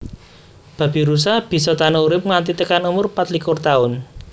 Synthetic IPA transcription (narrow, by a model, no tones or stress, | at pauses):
b̥ä̤b̥i̤ɾus̬ahb̥i̤sɔt̪anɔuɾɪp̚ŋant̪it̪əkanumʊrpat̪likʊrt̪aʊn